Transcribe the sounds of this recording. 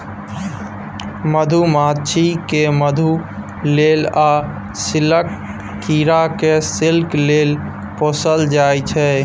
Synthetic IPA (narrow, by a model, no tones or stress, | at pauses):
məd̪ʱumat͡ʃʰikeməd̪ʱu | lela | sɪləkː | iɾakesɪlkleːl | posəld͡ʒajt͡ʃʰɛ